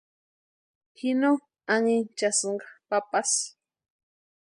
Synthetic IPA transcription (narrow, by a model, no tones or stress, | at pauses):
hɪno | aŋɪnt͡ʃasɴɢɑ̥papas